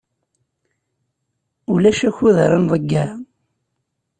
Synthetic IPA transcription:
ʊlæʃæçuðəɾənðˤəɡːæ

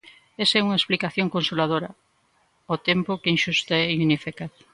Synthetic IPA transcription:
esɛuŋɐesplikaθjoŋkonsulað̞oɾɐ | ot̪empokeinʃust̪aɛiunifikað

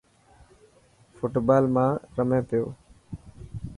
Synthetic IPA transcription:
fʰʊʈbaːlmãːɾəmẽːpɪjoː

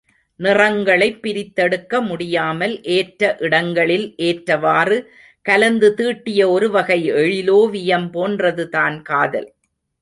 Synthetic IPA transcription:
nɪrɐŋɡɐɭɐɪpːɪɾɪt̪ːɐɽɯkːɐmʊɽɪjaːmɐlʔeːʈɾɐʔɪɽɐŋɡɐɭɪlʔeːʈɾɐʋaːrɯ | kɐlɐnd̪ɯt̪iːʈːɪjɐɔɾɯʋɐɣɐɪɛɻɪloːʋɪjɐmpoːndrɐðɯt̪aːnkaːðɐ̰l

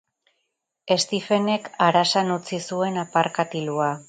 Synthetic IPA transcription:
e̞st̪ife̞ne̞kaɾasanut͡sisue̞napaɾkat̪ilua

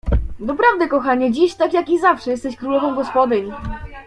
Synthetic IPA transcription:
d̪ɔpɾavd̪ɛkɔxaɲɛd͡ʑiɕt̪akjakʲizafʂɛjɛst̪ɛɕkɾulɔvɔ̃w̃ɡɔspɔd̪ɘɲ

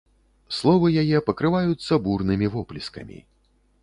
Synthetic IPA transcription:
slˠɔvɨjajɛpɐkɾɨvajut̪sːɐburnɨmʲivɔplʲiskɐ̰mʲḭ

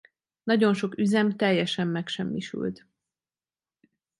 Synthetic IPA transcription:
nɒɟo̞nʃo̞kyzɛmt̪ɛjːɛʃɛmːɛkʃɛmːiʃy̰lt̪

